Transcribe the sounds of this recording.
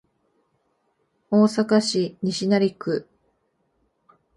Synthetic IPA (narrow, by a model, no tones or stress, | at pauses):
oːsakaɕiɲ̟iɕinaɾʲikɯ̟